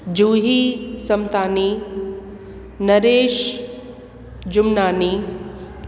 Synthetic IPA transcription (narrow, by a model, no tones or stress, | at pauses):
d͡ʑuːɦisɐmt̪aːni | nɐɾeːʃ | d͡ʑʊmnaːni